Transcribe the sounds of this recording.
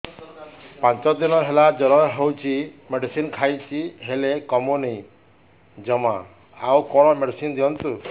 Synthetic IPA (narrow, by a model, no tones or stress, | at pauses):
pãnt͡ʃɔd̪inɔɦelad͡ʒɔɾɔɦewt͡ʃʰimeɖisinkʰajt͡ʃʰiɦelekɔmuni | d͡ʒɔma̰ | a̰wkɔɽ̃ɔmeɖisind̪iɔnt̪u